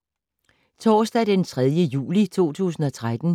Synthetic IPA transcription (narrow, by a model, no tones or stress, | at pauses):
t͡sʰɒːsd̥æd̥ent͡sʰʁað̞ˠjəjṵːlit͡sʰo̝̰ːt͡sʰṵːsn̩ɒ̽t͡sʰʁad̥n̩